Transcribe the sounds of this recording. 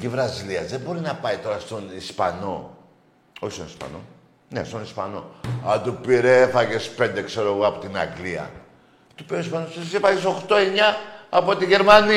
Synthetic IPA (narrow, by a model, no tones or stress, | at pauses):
civɾɐziliɐzðe̞bo̞ɾinɐpɐit̪o̞ɾɐst̪o̞nispɐ̰no̞̰ | oçist̪onispɐ̰no̞̰ | ne̞̰st̪o̞nispɐ̰no̞ɐd̪upiɾefɐʝe̞spe̞nd̪e̞kse̞ɾoeɣoɐpo̞t̪inɐ̰ɡliɐ̰ | t̪upioispɐnosesifɐʝeso̞xt̪o̞e̞ɲɐːpo̞t̪iʝe̞ɾmɐni